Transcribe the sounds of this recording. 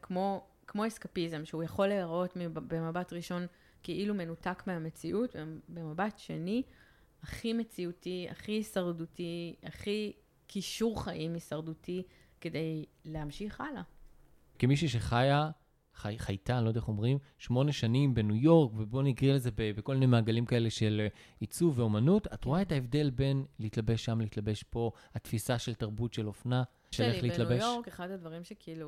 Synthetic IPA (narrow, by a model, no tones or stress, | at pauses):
kmo̞ | kmo̞eskapizemʃeujaχo̞leaʁo̞tmibemabatʁiʃo̞n | keʔilume̞nutakmeame̞t͡siʔutbebe̞mabatʃe̞ni | aχime̞t͡siutia̰χiisaʁdutiaχi | kiʃuʁχaʔimisaʁduti | ke̞de̞jle̞hamʃiχala | kimiʃuʃe̞χaja | χajχajtalodeeχo̞mʁim | ʃmo̞ne̞ʃanimbe̞nujo̞ʁkvebo̞niɡʁileze̞bebekolminejmaːɡalimkae̞leʃe̞l | it͡suvːeo̞manuta̰tʁoaetaevde̞lbe̞nleitlabe̞ʃːamlehitlabe̞ʃpo̞ | hatfisaʃe̞ltaʁbutʃe̞lo̞fna | ʃelelleitlabeʃkeχadhadvɐʁimʃekiilu